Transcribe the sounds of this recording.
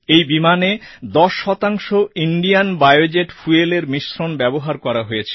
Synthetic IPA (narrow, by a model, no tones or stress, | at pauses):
ejbimaned̪ɔʃːɔt̪aŋʃoiɳɖijanbajod͡ʑeʈfueleɾmiʃɾonbɛboɦaɾkɔɾaɦojet͡ɕʰe̥